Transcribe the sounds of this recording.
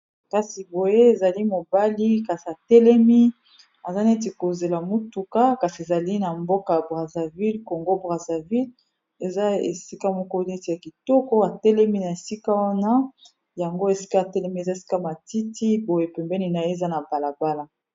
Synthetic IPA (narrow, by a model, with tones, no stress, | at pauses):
ka˨si˨bo˨je˦e˨za˨li˦mo˨ba˦li˦ka˨si˨a˨tɛ˦lɛ˦mi˦ | a˨za˦ne˦t̬e˨ko˨ze˨la˨mo˦tu˨ka˦ka˨si˨e˨za˨li˦na˨mbo˦ka˨ja˨bʁa˨za˨vi˦lko˨ŋɡo˦bʁa˨za˨vi˦l | e˨za˦ḛ˨si˦ka˦mo˦˨ko˦n˦e˦te˨ja˨ki˨tɔ˦kɔ˦a˨tɛ˦lɛ˦mi˦na˨e˨si˦ka˦wa˦na˦ | ja˨ŋɡo˦e˨si̥˦ka˦˨tɛ˦lɛ˦mi˦e˨za˦e˨si̥˦ka˦ma˨ti˦ti˦bo˨je˦pɛ˨mbɛ˦ni˦na˨je˦˨za˦na˨ba˨la˨ba˦la˦